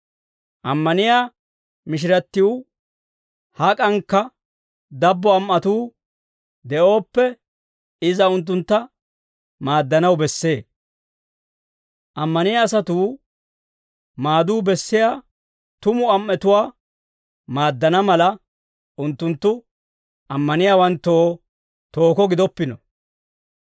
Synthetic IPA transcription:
ʔɐmːɐnɪjaː | mɪʃ̬ɪɾɐt̪ːɪju | hɐkʼɐŋkːɐ | d̪ɐbːɔɐmʔɐt̪uː | d̪ɛʔo̞ːpːɛ | ɪzɐʊnt̪̬ːʊnt̪ːɐ | maːd̪ːɐnɐwbɛsːe̞ː | ʔɐmːɐnɪjaːs̬ɐt̪uː | maːd̪uːbɛsːɪjaː | t̪ʊmʊɐmːɛt̪ʊwaː | maːd̪ːɐnɐmɐlɐ | ʊnt̪ːʊnt̪ːʊ | ɐmːɐnɪjaːwɐnt̪ːo̞ː | t̪o̞ːkɔɡɪd̪ɔpːɪnɔ

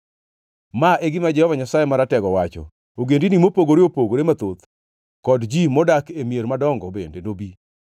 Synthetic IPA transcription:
maʔeɡɪmad͡ʒɛhɔvaɲasajemaɾatɛɡɔwat͡ʃɔ̰ | oɡendinimopoɡoɾeopoɡoɾemat̪ot̪ | kɔdd͡ʒimɔdakemjeɾmadɔŋɡɔbḛndenobi

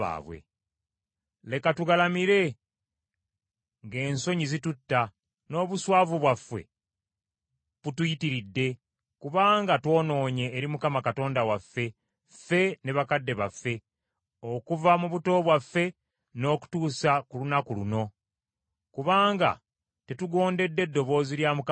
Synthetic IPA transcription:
a̰ːβwḛ | le̞katuɡalamiɾe̞ | ŋɡe̞ːnso̞ɲizitutːa | no̞ːβuswaːvuβwafːe̞̰ | βutujitiɾidːe̞ | kuβaːŋɡatwo̞ːno̞ːɲe̞ːɾimukamakato̞ːndawafːe̞ | fːe̞ne̞βakadːe̞βafːe̞ | o̞kuvamuβuto̞ːβwafːe̞ | no̞ːku̥tuːsakulunakuluno̞ | kuβaːŋɡa̰ | te̞tuɡo̞ːnde̞dːe̞dːo̞βo̞ːziɾjamuk

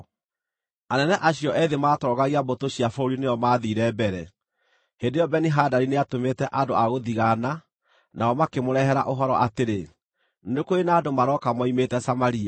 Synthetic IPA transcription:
anɛnɛʔaɕjɔʔɛðemaːtɔːɣaɣiabotoɕiafɔoɾinejɔmaːðiɾɛbɛɾɛ | hendejɔbɛniɦaːdaɾineatometɛʔadoaɣoðiɣana | naɔmakemoɾɛɦɛɾa̰ʔoɦɔɾɔʔateɾe | ndekoenaːdomaɾɔkamɔimetɛsamaɾia

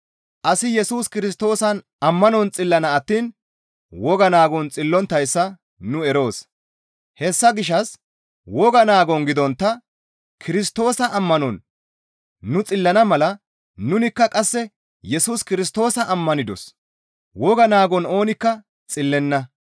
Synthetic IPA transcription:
ʔɐsɪjɛsuːskɪɾɪs̬t̪o̞ːsɐn | ɐmːɐnɔnt͡sʼɪlːɐnɐːt̪ːiːn | wɔɡɐnaːɡɔnt͡sʼɪlːɔnt̪ːɐjsːɐ | nʊɛɾo̞ːs | hɛsːɐɡɪʃɐs | wɔɡɐnaːɡɔnɡɪd̪ɔnt̪ːɐ | kʰɪɾɪst̪o̞ːsɐʔɐmːɐnɔnː | ʊt͡sʼɪlːɐnɐmɐlɐ | nʊnɪkːɐkʼɐsːɛ | jɛsuːskɪɾɪs̬t̪o̞ːsɐʔɐmːɐnɪd̪ɔ̰s | wɔɡɐnaːɡɔno̞ːnɪkːɐ | t͡sʼɪlːɛnːɐ

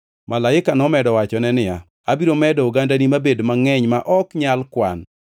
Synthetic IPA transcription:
malaɪkanɔmɛdɔwat͡ʃɔnɛnɪja̰ | abiɾomɛdɔoɡandanimabedmaŋɛɲmaʔɔkɲalkwa̰n

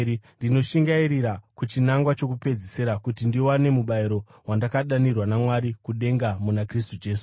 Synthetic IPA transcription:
ndino̞ʃiŋɡaiɾiɾakut͡ʃinaŋɡwat͡ʃo̞kupe̞d͡ziseɾakutindiwane̞muɓaiɾo̞ | wandakaɗanirwanamwaɾikuɗe̞ŋɡamunakristud͡ʒe̞ːsu̥

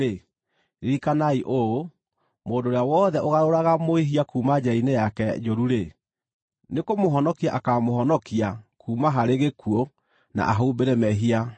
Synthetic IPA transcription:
e | ɾiɾikanaiʔo | moːndoːɾeawɔðɛʔoɣaɾoɾaɣamoiɦiakuːmad͡ʑainejakɛd͡ʒoɾuɾe | nekomoɦɔnɔkiaʔakamoɦɔnɔkiakuːmaɦaɾeɣekuɔ | na̰ʔaɦombeɾɛmɛɦia

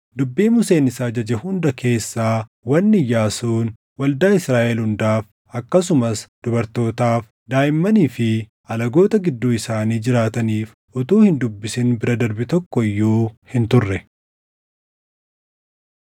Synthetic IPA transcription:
d̪ʊbːiːmʊse̞ːnɪsaːd͡ʒɐd͡ʒɛhʊnd̪ɐkʰe̞ːsːaː | wɐnːɪjaːsuːn | wɐld̪aːɪsɾaːʔɛlhʊnd̪aːf | ɐkːɐsʊmɐsd̪̥ʊbɐɾt̪o̞ːt̪aːf | d̪aːjɪmːɐniːfɪ | ɐlɐɡo̞ːt̪ɐɡɪd̪ːuːɪsaːniːd͡ʒɪɾaːt̪ɐniːf | ʔʊt̪uːhɪnd̪ʊbːɪsɪnbɪɾɐd̪ɐɾbɪt̪ɔkːɔɪjːuːhɪnt̪ʊrːɛ

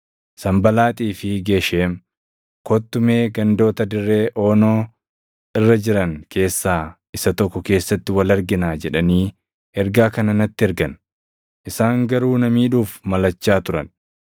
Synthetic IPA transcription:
sɐmbɐlaːt̪ʼiːfɪɡe̞ːʃeːm | kot̪ːʊme̞ːɡɐnd̪o̞ːt̪ɐd̪ɪrːe̞ːʔo̞ːnoː | ɪrːɐd͡ʒɪɾɐŋkʰe̞ːsːaːʔɪsɐt̪ɔkːɔke̞ːsːɐt̪ːɪwɐlɐɾɡɪnaːd͡ʒɛᶑɐniː | ʔɛɾɡaːkɐnɐnɐt̪ːɪɛɾɡɐn | ʔɪsaːŋɡɐɾuːnɐmiːᶑuːfmɐlɐt͡ʃːaːt̪ʊɾɐ̰n

